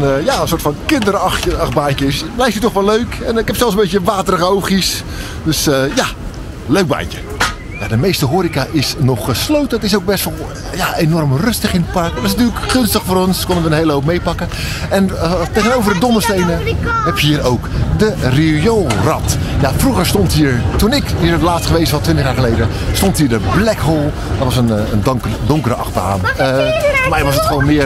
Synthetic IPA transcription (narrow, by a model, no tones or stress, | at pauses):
jaənsoːtfɑnkɪndərɑxəɑxbaːnkəsblɛjk̚tjətɔχʋɔløɥkɛnɪkɦɛpsɛlˠsənbetjəʋaːtərəɣəowχis | døsəja | løɥɡ̚ba̰ːncə | ja̰dəmejstəɦoːɾikaʔɪsnɔχːəslowtənətɪsowk̚bɛstʋɔlˠ | jaenɔrmrɵstəχɪnət̚pɑrkɛnɪstyːləkχʏnstəχfoːɾɔnskɔnənʋədəhejləɦowpmejpɑkəɛnətejɣənowvərdədɔnəstejnəɦɛpjɦiːəɾowkdərijolˠrɑtjafruɣəɹstɔntɦiːɹtunɪkɦiːɹətlaːstχəʋejsʋɑtʋɪntəχjaːɹχəlejdə | stɔntɦiːɹdəblɛkɦolˠ | dɔtʋɑsənənkdʊŋkəɾəɑ̰χba̰ːnəfmɛjʋɑsətχʋownmɪə